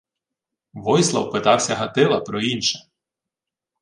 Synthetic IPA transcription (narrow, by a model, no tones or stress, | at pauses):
ʋɔjslˠɐ̰wpɪt̪ɑwsʲɐɦɐt̪ɪlˠɐpɾɔinʃɐ̥